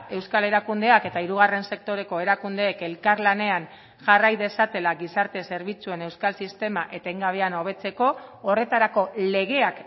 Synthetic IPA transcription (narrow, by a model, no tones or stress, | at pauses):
e̞wskale̞ɾakund̪e̞ake̞t̪aiɾuɣ̞are̞nse̞k̚t̪o̞ɾe̞ko̞e̞ɾakund̪eːke̞lkaɾlane̞an | ʝarajðe̞sat̪e̞laɣisaɾt̪e̞se̞ɾβ̞it͡sue̞ne̞wskalsist̪e̞maʔe̞t̪e̞ŋɡaβe̞ano̞β̞e̞t͡se̞ko̞ːre̞t̪aɾako̞le̞ɣ̞e̞ak